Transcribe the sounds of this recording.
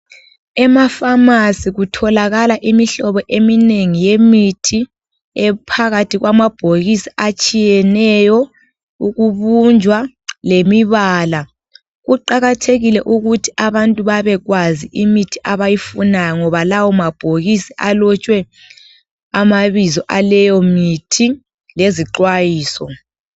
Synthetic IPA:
ɛmafamasiɣutʰɔlaɣalaʔimiɬɔβɔʔemineŋijemitʰi | ɛpʰaɣatʰiɣwamab̥ʱoɣisiat͡ʃʼijɛnɛjɔ | uɣuβund͡ʒʱwa | lemiβaːla | ɣuǃaɣatʰeɣilɛʔuɣutʰi̥aβantʼuβaβɛɣwaziʔimitʰi̥ʔaβajifunajɔŋɔβalawɔmab̥ʱoɣisiʔalɔt͡ʃʼwɛ | amaβizɔʔalɛjɔmitʰi | leziǃwajiːsɔ

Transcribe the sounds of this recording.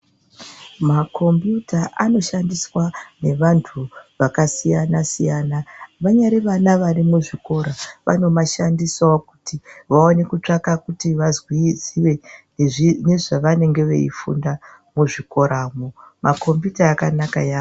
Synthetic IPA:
makʰo̞mbjutaʔano̞ʃandiswane̞ʋantʰuʋakasijanasijanaʋaɲaɾeʋanaʋarimuʐiko̞ɾaʋa̰no̞maʃandisaoku̥tiʋaone̞kut͡ʂakakutiʋazwiziʋe̞ | ne̞ʐaʋane̞ŋɡe̞ʋḛḭfṵnda | muʐiko̞ɾʔaːmomako̞mbjutaːkanaka̰jaː

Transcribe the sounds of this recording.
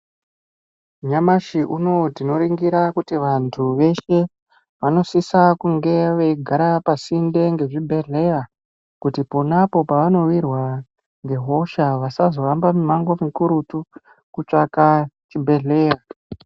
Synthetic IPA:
ɲamaʃiʔuno̞tino̞ɾiŋɡiɾakutiʋantʰuʋe̞ʃe̞ | ʋano̞sisakuŋɡe̞ʋeiɡʱaɾapasinde̞ŋɡe̞ʐibʱe̞ɮe̞ja | kutiponapo̞paʋano̞wirwa | ŋɡe̞ɦo̞ʃaʋasazo̞ɾambamumaŋɡo̞mikuɾutu | kut͡ʂakat͡ʃibʱe̞ɮe̞ːja

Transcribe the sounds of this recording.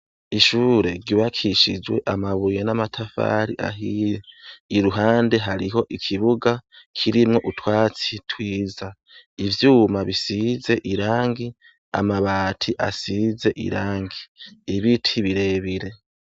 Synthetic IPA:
iʃuːɾe̞ɾɟiβakʰiʃid͡ʒwe̞ʔamaβujenamatʰafa̰ːɾiʔa̰ɦijeiɾuɦaːnde̞ɦaɾiɦo̞ʔikʰiβuɡakʰiɾimŋo̞ʔutwaːt͡sitwiːza | ivjuːmaβisize̞ʔiɾaːŋɡi | a̰maβaːtʰiʔa̰size̞ʔḭɾaːŋɡiːβitʰiβiɾe̞ːβiɾe̞

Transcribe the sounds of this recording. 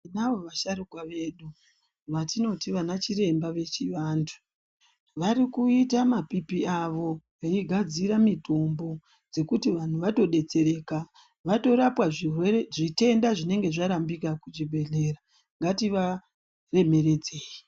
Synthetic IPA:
inaʋo̞ʋaʃaɾukwaʋe̞ɗu | ʋatino̞tiʋanat͡ʃiɾe̞mbaʋe̞t͡ʃiʋaːndʰu̥ | ʋaɾikuitamapipiaʋo̞ʋeiɡʱad͡ziɾamito̞mbo̞ | d͡ze̞kutiʋan̤uʋato̞ɗe̞t͡se̞ɾe̞ːka | ʋato̞ɾapwaʐireeʐite̞ndaʐine̞ŋɡe̞ʐaɾambikakut͡ʃibʱe̞ɮe̞ra | ŋɡatiʋa | re̞me̞re̞d͡ze̞ːji

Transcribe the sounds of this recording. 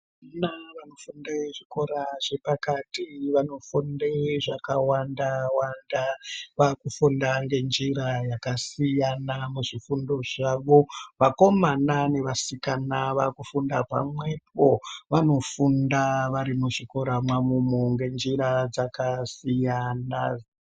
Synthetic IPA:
naʋanofundaʐiko̞ɾaʐe̞pakatiʋano̞fundeʐakawandawandaʋakufundaŋɡe̞nd͡ʒirajakasijanamuʐifundo̞ʐaʋo̞ʋako̞manane̞ʋasikanaʋakufundapa̰mwe̞p̚o̞ʋano̞fundaʋaɾimuʐiko̞ɾamwamumuŋɡe̞nd͡ʒiɾad͡zakasijana

